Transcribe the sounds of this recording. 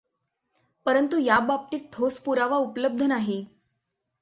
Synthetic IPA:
pəɾənt̪ujabap̚t̪iːk̚ʈʰospuɾaʋaupləb̚d̪ʱənaɦe

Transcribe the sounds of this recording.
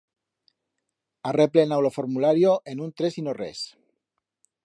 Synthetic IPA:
areplenawlofoɾmulaɾjoʔenunt̪ɾesinorḛs

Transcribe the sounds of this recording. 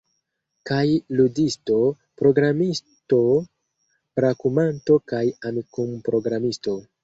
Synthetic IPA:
kajludisto̞ | pɾo̞ɡɾamis | to̞ | bɾakumanto̞kajamikumpɾo̞ɡɾamisto̞

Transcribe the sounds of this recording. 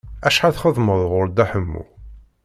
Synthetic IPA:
æʃħaθχəðˤməðˤʁʊɾd̪æħəmːṵ

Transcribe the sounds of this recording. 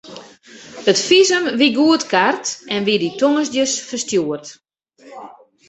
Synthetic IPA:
ətfizəmʋiɡuətkartɛnʋiditoŋəsdjəsfərstjuərt

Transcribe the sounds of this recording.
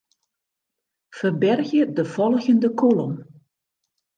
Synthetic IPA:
fərbɛrɣjədəfɔlˠəɣəndəkʰolɔm

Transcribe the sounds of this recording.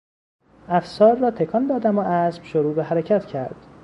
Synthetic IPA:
æfsɒːɾːɒːt̪ʰekʰɒnd̪ɒːd̪æmoʔæsb̥ʃoɾuːbeɦæɾecʰæt̪cʰæɾd̪̥

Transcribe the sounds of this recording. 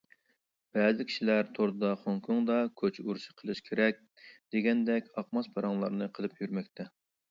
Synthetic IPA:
b̥ɛzɪkʲʰi̥ʃilæɾt̪ʰoɾd̪ɑχoŋkʰuŋd̪ɑkʲʰøt͡ʃʰuɾʃɨ̥qʰəlˠɨʃkʲʰeɾɛk̚ʲ | d̪̥eɡʲɛnd̪ɛkʲɑqmɑspʰɑɾɑŋlˠɑɾnɨqʰəlˠɨpjyɾmɛkʲt̪ʰɛ

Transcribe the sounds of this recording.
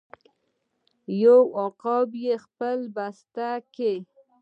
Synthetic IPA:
jowɑqɑbjexpəlbast̪ake

